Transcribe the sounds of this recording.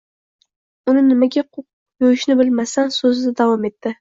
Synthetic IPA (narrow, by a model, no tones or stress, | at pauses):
ʊnɪnɪmaɡʲaqʰʊq | jojɪʃnɪbɪlmasansozɪd̪ad̪avɒme̞t̪ʰːɪ